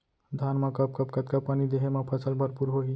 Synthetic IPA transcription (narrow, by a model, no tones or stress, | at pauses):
d̪ʱaːnmãkɐp̚kɐpkɐt̪kappːanid̪eɦemãpʰɐsəlbʱɐɾpuɾɦoːi